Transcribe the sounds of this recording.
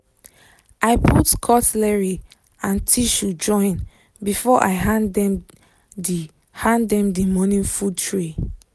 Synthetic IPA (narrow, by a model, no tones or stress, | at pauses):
ʔaɪpʰutkʰɔtlɛɹi | ãntʰiʃud͡ʒɔ̃ɪ̃n | bifɔʔa̰ɪɦãnɛm | d | hãndɛ̃mdimɔnĩnfutʰɹe